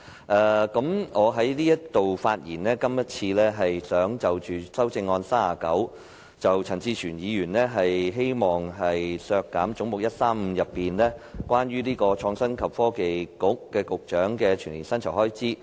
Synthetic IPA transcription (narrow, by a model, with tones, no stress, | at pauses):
ʔɛː˧kɐ˨˥mŋɔː˨˧ɦɐ˨˥jliː˥jɐ˥t̪o˨wfaː˧t̚jiː˨˩nlɛː˥kɐ˥mjɐ˥t̚t͡sʰiː˧lɛː˥ɦɐ˨jsœː˨˥ŋt͡sɐ˨wt͡ʃyː˨sɐ˥wt͡sɪ˧ŋːɔː˧nsaː˥aː˨˩kɐ˨˥w | t͡sɐ˨wt͡sʰɐ˨˩ŋt͡siː˧t͡ʃʰyː˨˩njiː˨˧jyː˨˩nlɛː˥ɦɐ˨jɦe˥jmɔː˨˩ŋɦɐ˨jsœː˧kːaː˨˥mt͡sʊ˨˥ŋmʊ˨k̚jɐ˥t̚saː˥mm̩˧jɐ˨pːiː˨˩nlɛː˥kwʷaː˥nɥyː˥liː˥kɔː˧t͡ʃʰɔː˧ŋsɐ˥nkʰɐ˨p̚fɔː˥ke˨jkʊ˨˥k̚ːɛː˧kʊ˨k̚t͡ʃœː˨˥ŋkɛː˧t͡ʃʰyː˨˩nliː˨˩nsɐ˥nt͡sʰɐ˨˩whɔː˥jt͡siː˥